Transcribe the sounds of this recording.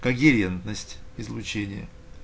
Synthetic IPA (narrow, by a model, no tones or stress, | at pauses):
kɐɡʲɪɾʲent̪nəsʲtʲɪzlʲˠʊt͡ɕenʲɪjə̰